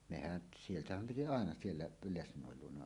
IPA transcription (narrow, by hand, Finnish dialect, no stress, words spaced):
mehæn sieltæhæm piti ɑˑenɑ sielːæ p lesnˑoˑel luonɑ